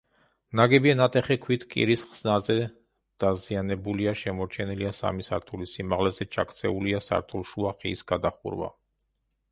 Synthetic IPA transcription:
naɡɛbianat̪ʼɛχɛkʰwit̪ʰkʼḭɾisχz̥nazɛ | d̪̥azianɛbuliaʃɛmɔɾt͡ʃʰɛniliasa̰misa̰ɾt̪ʰulisimaʁlɛzɛt͡ʃʰakʰʼt̪sʰɛuliasa̰ɾt̪ʰulˠʃuaχḭːsɡ̥ad̪aχṵɾva̰

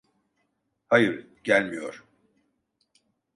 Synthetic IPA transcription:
hajɯɾ | ɟ̥ælʲmijo̞̰ɾ̥

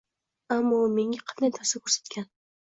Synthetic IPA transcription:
amːɒme̞ŋʲaqʰɑt̪nant̪ʰaɾsakʰɵɾsḁt̪kʲʰan

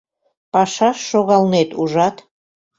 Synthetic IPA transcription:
pɑʃɑʃːoɣɑlnet̪uʒɑt̪

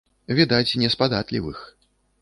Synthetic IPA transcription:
vʲid̪ajt͡sʲnʲɛspad̪at̪lʲḭvɨ̰x

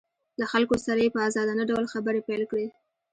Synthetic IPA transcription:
laxalkosaɾajepəazɑd̪anaɖawlxabəɾepajlkɽe

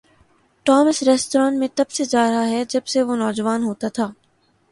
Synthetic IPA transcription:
ʈɔːməsɾɛːsʈoɾãːnʈmẽt̪ɐbsed͡ʒaːɾɦaɦɛd͡ʒɐbseʋonɔːd͡ʒʋaːnɦoːt̪at̪ʰaː

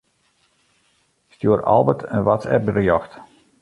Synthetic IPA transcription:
stjuəɾʔɔ̰lˠʋətʰənʋat͡sɛ̰bərjɔxt

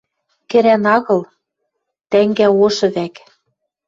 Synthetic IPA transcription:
kɘ̆ɾænɑɣɤ̆lˠ | t̪æŋɡæoʃɤ̆βæk

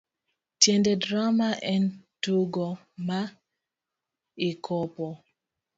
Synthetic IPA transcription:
tjɛndedɾamaʔɛntoɡɔ | ma | ɪkʰɔpɔ

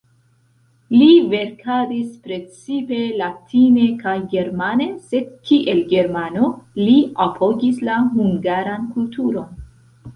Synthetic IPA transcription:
live̞ɾkʰadispɾe̞t͡sipe̞latʰine̞kajɡe̞ɾmane̞se̞dkʰiʔe̞lɡe̞ɾmano̞liapʰo̞ɡislaɦuŋɡaɾankultʰuɾo̞n

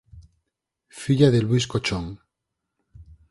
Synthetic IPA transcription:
fiʎaðelwiskot͡ʃoŋ

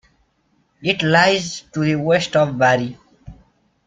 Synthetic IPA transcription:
ɪʈlaɪzʈuðiwesʈɔvbæɾi

